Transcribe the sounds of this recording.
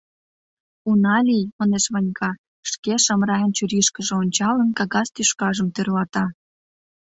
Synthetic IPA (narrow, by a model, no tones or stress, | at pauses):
unɑlʲijmɑneʃβɑnʲkʰɑ | ʃkeʃɑmɾɑjənt͡ɕyɾiʃkəʒeonʲt͡ɕɑlənkɑɣɑst̪yʃkɑʒə̆mt̪ørlɑt̪ɑ